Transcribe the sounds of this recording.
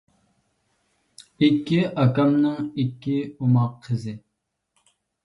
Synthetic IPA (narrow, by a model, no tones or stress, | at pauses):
ikʲːiʔɑkɑmnɨŋikʲːiumɑqʰːəzɪ